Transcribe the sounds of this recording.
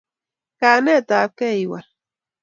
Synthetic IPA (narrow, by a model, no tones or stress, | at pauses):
kaːnet̪aːkejwa̰ɾ